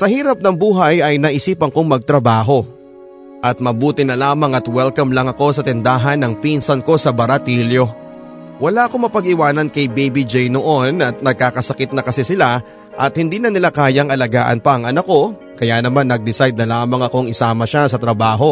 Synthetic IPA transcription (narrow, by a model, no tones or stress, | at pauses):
sɐhiːɾɐp̚nɐŋbuːɦɐjɐjnɐʔɪsiːpɐŋkoŋmɐɡ̚t̪ɾɐbaːɦo̞ | ʔɐt̪̚mɐbuːt̪ɪnɐlaːmɐŋɐt̪wɛlkɐmlɐŋɐko̞sɐt̪ɛnd̪aːɦɐnːɐŋpinsɐnko̞sɐbɐɾɐt̪iːljo̞ | wɐlaʔɐko̞mɐpɐɡɪwaːnɐnkɐjbejbid͡ʒɛjnoʔo̞nɐt̪̚nɐɡ̚kaːkɐsɐkɪt̪̚nɐkɐsɛsɪla | ʔɐt̪̚hɪnd̪iːnɐnɪlakaːjɐŋʔɐlɐɡaːʔɐ̰npɐʔɐŋʔɐnɐko̞ | kɐjanɐmanːɐɡ̚d̪ɪsajd̪̚nɐlaːmɐŋɐko̞ŋɪsaːmɐʃasɐt̪ɾɐbaːɦo̞